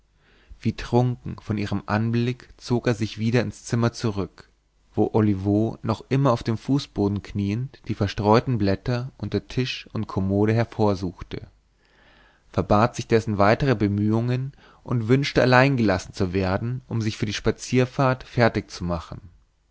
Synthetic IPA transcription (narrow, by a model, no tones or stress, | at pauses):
v̥iːtʁ̥ʊŋkŋ̩fɔnʔiːʁ̞əmʔa̰nblɪkt͡soːkeːɐzɪçv̥iːɾɐɪnst͡sɪmɐt͡suʁʏk | v̥o̰ːʔolivoːnɔχʔɪmɐaʊfd̥eːmfuːsb̥oːdn̩kʰniːəntd̥iːfɛɐʃtʁ̥ɔʏtn̩blɛtɐʔʊntɐtʰɪʃʊnt̚kʰomoːɾəɦɛɐfoːɐzuːxtə̰ | fɛɐbaːtz̥ɪçd̥ɛsn̩vaɪtəʁ̞əbəmyːʊŋən | ʔʊntv̥ʏnʃtəalaɪnɡəlasn̩t͡suveːɐdn̩ʔʊmzɪçfyːɐdiːʃpat͡siːɐfaːɐtfɛɐtɪçt͡sumaχn̩